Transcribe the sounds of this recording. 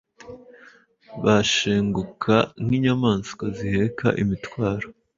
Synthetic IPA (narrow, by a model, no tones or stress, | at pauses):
βaʃeːŋɡukʰaŋhiɲamaːnskwazihekʰa̰ʔimitwaːɾo